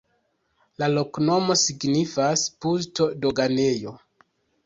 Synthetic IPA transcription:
lalo̞kno̞mo̞siɡnifaspulto̞do̞ɡane̞jo̞

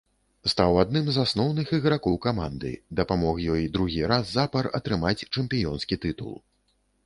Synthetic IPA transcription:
st̪awad̪̚nɨmzasnɔwnɨxiɣɾakɔwkamand̪ɨ̰d̪ɐpamɔxjɔjd̪ɾuɣʲiɾazːapɐrɐ̰t̪ɾɨmat͡sʲt͡ʂɛmpʲijɔnskʲit̪ɨt̪ṵlˠ

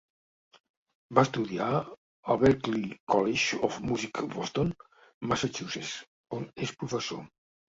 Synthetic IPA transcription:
bast̪uðia | əlˠβɛɾklikɔleʒofmuzikβɔst̪on | masat͡ʃusḛs | onespɾufəso̰

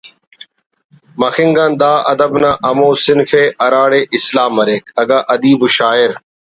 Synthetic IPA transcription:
mɐxɪŋɡaːnd̪aːʔɐ̰d̪əbnãːʔɐmoːsɪnfeːʔɐɾaːɽeːʔɪslaːmːɐɾeːkʰɐɡaːʔɐd̪iːbuʃaːɪɾ

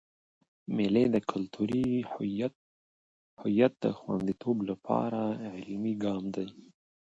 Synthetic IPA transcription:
mɪled̪əkʰʊlt̪ʰuɾi | hʊjat̪̚d̪əxwa̰nd̪it̪ʰoblapʰɑ̰ɾaʕɪlmiɡɑmd̪aj

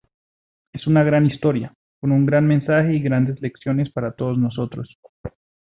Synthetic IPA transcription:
e̞sunaɣɾanist̪o̞ɾja | konuŋɡɾanmẽ̞nsaxe̞iɣɾand̪e̞zle̞ksjo̞ne̞spaɾat̪o̞ðozno̞so̞t̪ɾos

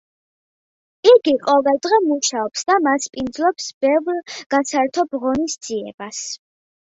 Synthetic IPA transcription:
iɡiqʼɔvɛlˠd̪ʁɛmuʃaɔpsd̪amaspʼind̪zlˠɔpsb̥ɛvɾɡ̥asaɾt̪ʰɔbʁɔnisd̪z̥iɛ̰bas

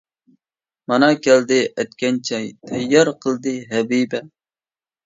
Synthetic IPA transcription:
mɑnɑkʲʰɛld̪ɪʔɛt̪̚kʲɛnt͡ʃʰɛjt̪ʰɛjːɑɾqʰəlˠd̪ɨɦɛbibɛ

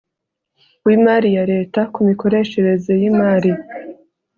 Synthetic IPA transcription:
wimaːɾijaɾe̞ːtakumiko̞ɾe̞ʃe̞ɾe̞ze̞jimaːɾi

